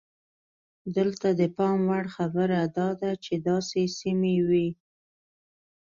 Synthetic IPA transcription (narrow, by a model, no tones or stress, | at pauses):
d̪əlt̪ad̪əpɑmwaɽxabəɾad̪ɑd̪at͡ʃed̪ɑsesimewi